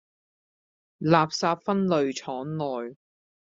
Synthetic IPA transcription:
laː˨p̚saː˧p̚fɐ˥nlɵ˨ɥt͡ʃʰɔː˨˥ŋlɔː˨j

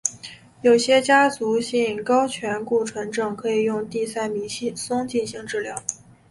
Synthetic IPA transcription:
jo˨˩ʊɕjɛ˥t͡ɕja˥t͡su˧˥ɕi˥˩nkɑ˥ʊt͡ɕʰɥɛ˧˥nku˥˩ʈ͡ʂʰwa˧˥nʈ͡ʂɤ˨˩ŋkʰɤ˧˥i˨˩jʊ˥˧ŋt̪i˥˧sa˥˩ɪmi˧˥ɕi˥˩sʊ˥ŋt͡ɕi˥˧nɕi˥˧ŋʈ͡ʂɻ̩˥˩ljɑ˧˥ʊ

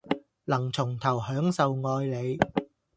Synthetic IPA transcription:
lɐ˨˩ŋt͡sʰʊ˨˩ŋt̪ʰɐ˨˩whœː˨˥ŋsɐ˨wŋɔː˧jle˨˧j

